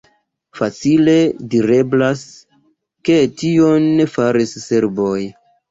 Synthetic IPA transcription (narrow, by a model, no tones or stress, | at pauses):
fat͡sile̞diɾe̞blas | ke̞tio̞nːefaɾisse̞ɾbo̞j